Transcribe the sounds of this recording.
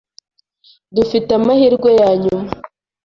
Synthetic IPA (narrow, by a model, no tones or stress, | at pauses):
dufitamahiɾɡwojaːɲuma